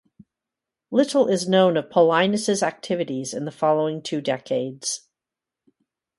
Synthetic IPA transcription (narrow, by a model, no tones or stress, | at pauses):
lɪɾl̩ˠɪznõʊ̃nʌv̥pʰəlãɪ̃nɨsɨzæk̚tʰɪvɨɾizɨ̃nðəfɑlˠoʊɪ̃ŋtʰʉdɛkʰeɪdz̥